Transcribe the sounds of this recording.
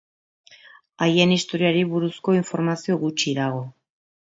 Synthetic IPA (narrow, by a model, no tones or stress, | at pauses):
ajenist̪o̞ɾiaɾiβuɾusko̞iɱfo̞ɾmasio̞ɣut͡ʃiðaɣ̞o̞